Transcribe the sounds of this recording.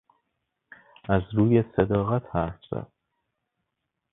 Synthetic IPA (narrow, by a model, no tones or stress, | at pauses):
æzɾuːjesed̪ɒːɣæt̪ʰhæɾfz̥æ̰d̪̥̚